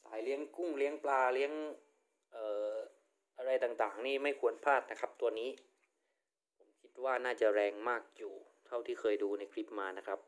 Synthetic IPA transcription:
saː˩˦jli˦˥əŋku˥˩ŋli˦˥əŋplaː˧li˦˥əŋ | ʔɤː˨˩ | ʔa˧ɾa˧jt̪aː˨˩ŋt̪aː˨˩ŋniː˥˩ma˥˩jkʰu˧ənpʰaː˥˩t̪̚na˦˥kʰa˦˥p̚t̪u˧ɐniː˦˥ | pʰo˩˦mkʰi˦˥t̪̚waː˥˩naː˥˩t͡ɕa˨˩ɾɛː˧ŋmaː˥˩k̚juː˨˩ | t̪ʰa˥˩wt̪ʰiː˥˩kʰɤː˧jduː˧na˧jkʰli˦˥p̚maː˧na˦˥kʰa˦˥p̚

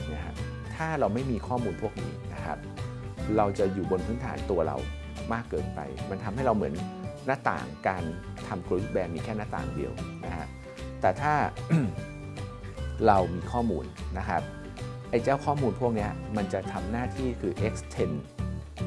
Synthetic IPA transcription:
na˦˥˩kʰa̰˦˥ | t̪ʰaː˥˩ɾa˧wma˥˩jmiː˧kʰɔː˥˩muː˧npʰu˥˩ək̚nḭː˦˥na̰˦˥kʰa̰˦˥p̚ | ɾa˧wt͡ɕa˨˩juː˨˩bo˧npʰɯ˦˥nt̪ʰaː˩˦nt̪u˧ɐɾa̰˧w | maː˥˩kːɤː˧npa̰˧jma˧nt̪ʰa˧mha˥˩jɾa˧wmɯ˩˦nː | a˦˥t̪a̰ː˨˩ŋkaː˧nt̪ʰa˧mkɾu˧˦˥k̚bɛː˧nmiː˧kʰɛː˥˩na˦˥t̪a̰ː˨˩ŋdḭ˧əwna˦˥kʰa̰˦˥ | t̪ɛː˨˩t̪ʰaː˥˩ | ɾa˧wmiː˧kʰɔː˥˩muː˧nːa˦˥kʰa˦˥p̚ | ʔa˧jt͡ɕaː˥˩wkʰɔː˥˩muː˧npʰu˥˩ək̚ni˦˥ɐma˧nt͡ɕa˨˩t̪ʰa˧mnaː˥˩t̪ʰiː˥˩kʰɯː˧ʔe˦˥k̚st͡ɕ̪ʰe˧n

